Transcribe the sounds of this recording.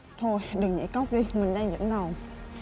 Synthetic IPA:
t̪ʰo˧jɗɨ˨˩ŋːɲə̰˧˥jkə˦˥wk͡p̚ɗi˧mï˨˩ŋ̟ɗaː˧ŋzə̰˧˥mna˨˩w

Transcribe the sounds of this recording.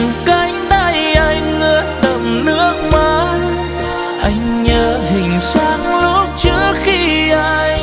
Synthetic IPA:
ka˨˧˩jŋ̟ɗ̪a˧˩jʔa˧jŋŋəː˧˦nɗə˨˩mnɨ˦˥ək̚maː˨˦ | ʔa˧jŋ̟ɲəː˧˦hï˨˩ŋ̟saː˧˦ŋlu˦˥p̚t͡ɕɨ˦˧˥əxi˧ʔaː˧j

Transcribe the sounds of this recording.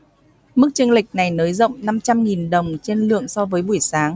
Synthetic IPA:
mɨ˦˥k̚t͡ɕɨ˧əŋlï˨˩k̚na˨˩jnəː˨˦jzə̰˧˨wŋ͡mna˧mt͡ɕa˧mŋi˨˩nɗə˨˩wŋ͡mt͡ɕe˧nlɨ̰˧˨əŋsɔ˧vəː˨˦jɓu˧˩əjsaː˨˦ŋ

